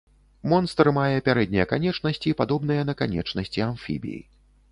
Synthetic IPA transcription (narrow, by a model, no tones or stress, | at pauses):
mɔnst̪ɾmajɛpʲaɾɛd̪̚ʲnʲɛjɐkanʲɛt͡ʂnɐsʲt͡sʲipad̪ɔbnɨjɐnɐkanʲɛ̰t͡ʂnɐsʲt͡sʲianfʲḭbʲḭjḭ